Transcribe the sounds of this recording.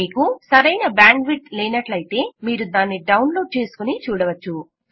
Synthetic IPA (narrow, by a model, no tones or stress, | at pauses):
iːkusɐɾɐjnɐbaːɳɖʋiʈleːnɐʈlɐjit̪e̞ːmiːɾud̪aːnːiɖɐwnlo̞ːɖ̚t͡ʃe̞ːsu̥kunit͡ʃuːɽɐʋɐt͡ʃːu